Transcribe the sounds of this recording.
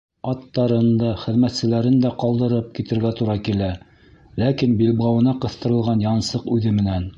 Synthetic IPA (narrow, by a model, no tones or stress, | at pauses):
ɑt̪ːɑɾɤ̆nd̪ɑχɘ̆ðmæt̪sɘ̆læɾɘnd̪æqɑlˠd̪ɤ̆ɾɤp̚kit̪ɘ̆ɾɡæt̪uɾɑkilæ | lækinbilbʁɑwɤ̆nɑqɤ̆θt̪ɤ̆ɾɤ̆lˠʁɑnjɑnsɤqʉðɘmɘ̆næn